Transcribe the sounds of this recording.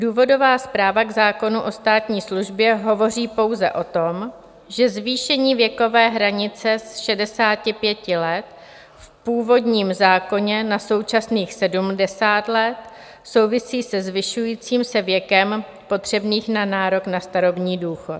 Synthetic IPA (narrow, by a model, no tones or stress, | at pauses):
duːvo̞do̞vaːspɾaːvaɡzaːko̞nuʔo̞st̪aːt̪ɲiːsluʒbjɛɦo̞vo̞riːpo̞wzɛ̰ʔo̞t̪o̞m | ʒɛzviːʃɛɲiːvjɛko̞vɛːɦɾaɲɪt͡sɛsʃɛdɛsaːcɪpjɛcɪlɛt̪ | fpuːvo̞dɲiːmzaːko̞ɲɛnaso̞wt͡ʃasniːxsɛdumdɛsaːt̪lɛt̪ | so̞wvɪsiːsɛzvɪʃujiːt͡siːmsɛvjɛkɛm | po̞t̪r̝̥ɛbniːxnanaːɾo̞knast̪aɾo̞bɲiːduːxot̪